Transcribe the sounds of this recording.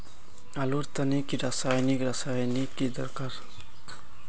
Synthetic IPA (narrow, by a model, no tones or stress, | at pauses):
aluɾt̪anikiɾasajnikɾasajnikːid̪ə̰ɾkaɾ